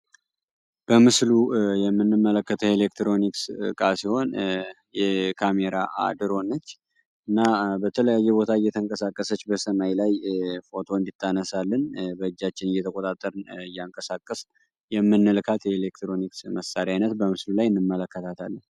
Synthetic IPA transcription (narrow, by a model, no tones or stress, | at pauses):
b̥əmɨslujɛmːɨnːɨmːələkːət̪ʰəelekt̪ɾo̞nikskʼasiho̞n | jɛkʰame̞ɾaa̰d̪ɨɾo̞nːət͡ʃː | ɨnːabət̪ʰələjajːɛbo̞t̪ʰaɨjːɛt̪ʰəŋkʼəsakʼːəsət͡ʃːbəsəmajlajfo̞t̪ʰo̞nd̪it̪ʰːanəsalːənbəɨd͡ʒːat͡ʃːɪnɨjɛt̪ʰəkʼo̞t̪ʼat̪ʼːəɾɨnɨjːaŋkʼəsakʼːəs | jɛmːɨnːɨlkʰat̪jɛelekt̪ɾo̞niksməsaɾiajnət̪bəmɨslulajɨnːɨmːələkːət̪ʰat̪ʰalːən